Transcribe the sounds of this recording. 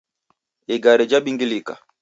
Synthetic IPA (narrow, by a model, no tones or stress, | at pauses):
iɡaɾɛd͡ʒaɓiŋɡilika̰